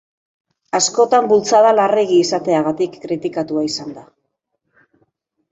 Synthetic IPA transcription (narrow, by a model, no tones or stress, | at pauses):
asko̞t̪ambult͡saðalare̞ɣ̞iːsat̪e̞aɣat̪ikːɾit̪ikat̪uaisand̪a